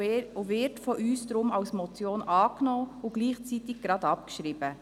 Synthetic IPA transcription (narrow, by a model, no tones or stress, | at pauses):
ovɪɾtfɔʔyːsd̥̪ɾʊmawsmɔt͡sjoːnɑːknɔːʊɡ̥liːχt͡sitɪɡ̚ɡ̥ɾɑdɑpkʃɾiːb̥ə